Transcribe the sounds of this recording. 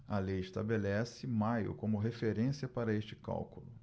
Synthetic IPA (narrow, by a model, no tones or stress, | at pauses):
ɐlejɪʃt̪abelɛsɪmajʊ̰kõmʊɦefeɾẽsiɐpaɾɐeʃt͡ʃɪ̥ka̰wkulʊ